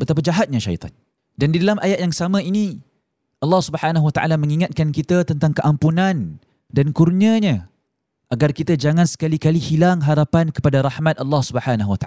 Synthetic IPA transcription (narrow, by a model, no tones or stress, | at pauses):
bət̪ap̬ad͡ʒaɦat̪̚ɲaʃa̰ḭt̪ʰˤɑ̰n | dandidalamʔajat̪̚jaŋsamãini | ʔɑlːɑhsubəħanaɦwat̪aʔa̰lamə̃ŋiŋat̪̚kankit̪at̪ənt̪aŋkəʔampunan | dankurɲəɲa | ʔaɡarkit̪ad͡ʒaŋãnsə̥kalikalihilaŋɦaɾapankə̥padaɾahmat̪̚ʔɑlːɑhsubəħanaɦuwat̪a̰